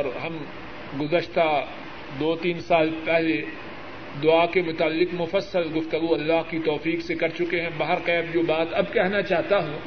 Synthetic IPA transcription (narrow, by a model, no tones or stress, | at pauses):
ɔɾɦɐm | ɡʊzəʃt̪a | d̪oːt̪iːnsaːlpɛɦle | d̪ʊakemʊt̪aːlːɪqmʊfəsːəlɡʊft̪əɡuɐlːaːɦkit̪ɔːfiːqsekɐɾt͡ʃʊkeɦɛ̃baːɦəɾqɛːbd͡ʒoːbaːt̪ɐbkɛɦnat͡ʃaːɦt̪aɦũː